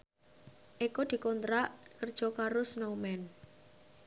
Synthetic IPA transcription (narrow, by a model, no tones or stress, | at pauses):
ʔikod̪̥i̤kɔnt̪ɾaʔkərd̥ʒ̥ɔ̤kaɾʊsnowmɛn